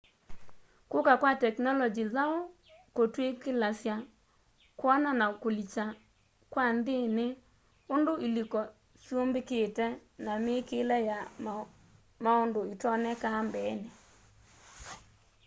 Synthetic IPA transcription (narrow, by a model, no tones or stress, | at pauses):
kokakwatɛknɔlɔd͡ʒizao | kotwekelasja | kwɔnanakolit͡ʃa | kwandene | ondoilikɔ | sombeketɛnamekelɛja | maondoitɔnɛkambɛne